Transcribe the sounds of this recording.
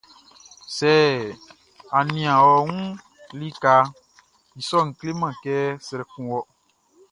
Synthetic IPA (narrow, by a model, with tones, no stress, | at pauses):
sɛː˦ | a˨nĩ˨ã˨wɔ˨ŋũ˦ | li˦ka˧ | i˨sɔ˦˨ŋ̩˨kle˦mã˨kɛ˦sɾɛ˨kũ˨wɔ˦